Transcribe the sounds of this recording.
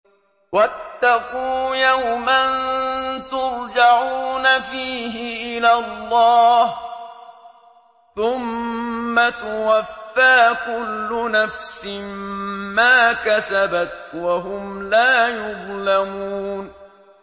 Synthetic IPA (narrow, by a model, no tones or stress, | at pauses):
wat̪ːɑquːjawmant̪ʊɾd͡ʒaʕuːnafiːɦɪʔɪlalːɑːh | θʊmː | at̪ʊwafːaːkʊlːʊnafsɪmmaːkasabat̪waɦʊmlaːjʊðˤlamuːn